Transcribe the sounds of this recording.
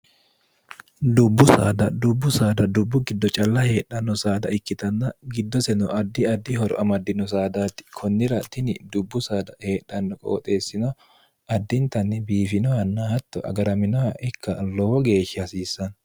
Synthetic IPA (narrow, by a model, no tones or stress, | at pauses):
d̪ʊbːʊsa̰ːd̪ɐd̪ʊbːʊsaːd̪ɐd̪ʊbːʊɡɪd̪ːɔt͡ʃʼɐlːɐhe̞ːᶑːɐnːɔsaːd̪ɐɪkːɪt̪ɐnːɐɡɪd̪ːɔsɛnɔʔɐd̪ːɪɐd̪ːɪhɔɾɔ̰ʔɐmɐd̪ːɪnɔs̬aːd̪aːt̪ːɪ̥kʰɔnːɪɾɐt̪ɪnɪd̪ʊbːʊsaːd̪ɐhe̞ːᶑːɐnːɔkʼo̰ːt̪ʼe̞ːsːɪnɔ | ɐd̪ːɪnt̪ɐnːɪbiːfɪnɔɐnːɐhɐt̪ːɔʔɐ̰ɡɐɾɐmɪnɔɐʔɪkʰːɐlɔwɔɡe̞ːʃːɪɐsiːsːɐn